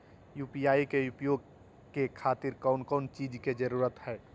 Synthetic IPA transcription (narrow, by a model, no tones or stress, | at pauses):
juːpijaːikeʊpjoːɡ̚ | kekʰaːt̪ɪɾkaʊnkɔːnt͡ʃiːd͡ʒked͡ʒɐɾuːɾət̪hɛː